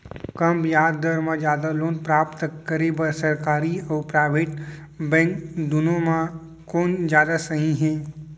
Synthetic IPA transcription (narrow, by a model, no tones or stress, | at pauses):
kɐmpjaːd̪d̪əɾmãd͡ʒjaːd̪aloːnpɾaːpt̪əkːəɾebəɾsɐɾkaːɾiɔːɾpɾaːɪʋeːʈ | bɛ̃ːŋkd̪ʊnõmã | koːnd͡ʒjaːd̪asɐɦĩɦɛ̃ː